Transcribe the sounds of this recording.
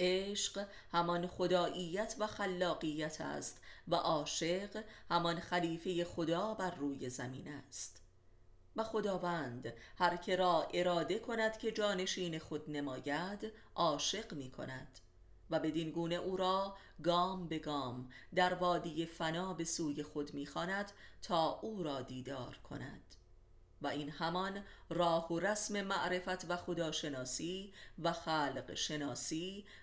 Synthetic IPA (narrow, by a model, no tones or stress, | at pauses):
ʔeːʃq | hæmɒnχo̞d̪ɒːʔiːjæt̪ʰvæxælːɒːɢijæt̪ʰæ̰st̪væʔɒːʃe̞ɢhæmɒnxæliːfe̞je̞xo̞d̪ɒːbæɾːuːje̞zæmḭːnæst̪ | væxo̞d̪ɒːvænd̪hæɾcʰe̞ɾɒːʔe̞ɾɒːd̪e̞kʰo̞næd̪̥cʰe̞d͡ʒɒːne̞ʃiːne̞xo̞d̪nemɒːjæd̪ | ʔɒːʃe̞ɢmiːkʰo̞̰næd̪̥ | væbe̞d̪inɡuːne̞ʔuːɾɒː | ɡɒːmbe̞ɡɒːmd̪æɾvɒːd̪iːje̞fænɒːbe̞suːje̞xo̞d̪miːxɒːnæd̪̥t̪ʰɒːʔuːɾɒːd̪iːd̪ɒːɾkʰo̞̰næ̰d̪̥ | væinhæmɒnrɒːhoɾæsme̞mæʔɾe̞fæt̪ʰvæxo̞d̪ɒːʃe̞nɒːsiːvæxælɢʃe̞nɒːsiː